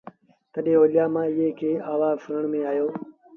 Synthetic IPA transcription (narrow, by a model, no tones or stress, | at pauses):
t̪əɗẽːoːljaːmãːɪːeːkʰeːaːʋaːfəɾəɳmẽːaːjoː